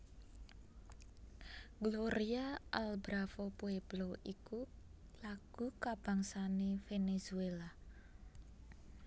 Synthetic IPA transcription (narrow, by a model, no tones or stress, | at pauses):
ɡ̥loɾiaʔalbɾafopueb̥loʔiku | laɡ̥ukab̥a̤ŋsanefenesuela